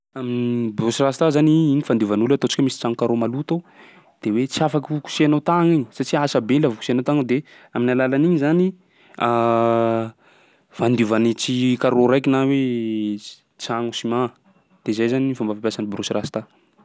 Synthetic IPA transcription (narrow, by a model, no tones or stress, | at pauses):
aminibrusirast̪azaniinifand̪uvanulat̪ot͡si̥kamisi̥t͡saŋukaɾomalut̪o | d̪̥ewet͡siafakuku̥sianat̪aŋiɲi̥sat͡ʃiasabelavuku̥sianawt̪aŋd̪e | aminalalaniɲzani | a | v̥and̪uvanit͡sikaɾoɾajkinawe | t͡saŋusima | d̪̥ezajzaninifambafapʲjasanibrusirast̪a